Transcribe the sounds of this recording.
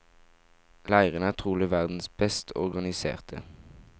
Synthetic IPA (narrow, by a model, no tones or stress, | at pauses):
læɪʁənæːʁt̪ʰʁuːlɪʋæʁd̪n̩sb̥ɛst̪ʰɔ̰ʁɡɑnɪsḛːʁt̪ʰə̰